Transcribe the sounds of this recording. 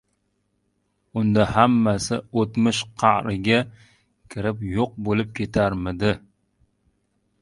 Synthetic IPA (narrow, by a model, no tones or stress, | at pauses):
ʊnd̪ahamːasɪot̪mɪʃqʰɑʔɾɪɡʲa | kʲʰɪɾɪpjoq̚bolɪp̚kʲʰet̪ʰaɾmɪd̪ɪ